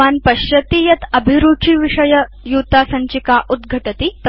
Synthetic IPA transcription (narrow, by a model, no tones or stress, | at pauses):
aːnpɐɕjɐt̪iːjɐt̪ɐbʱiɾuːʈʰiːʋiʂɐjɐ | juːt̪aːsɐɲt͡ʃikaːʔud̪ɡʱɐʈɐt̪it̪